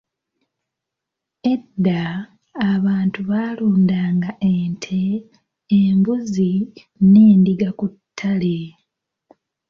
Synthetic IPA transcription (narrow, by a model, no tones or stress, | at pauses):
e̞dːaː | βaːntuβaːluːndaːŋɡaʔeːntʰe̞ː | mbuzi | ne̞ːndiɡakutʰːale